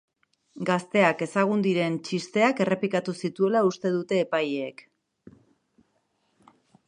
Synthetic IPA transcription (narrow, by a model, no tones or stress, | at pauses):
ɡast̪e̞ake̞saɣ̞und̪iɾe̞nt͡ʃist̪e̞ake̞re̞plikat̪usit̪ue̞laust̪e̞ðut̪e̞ːpajːk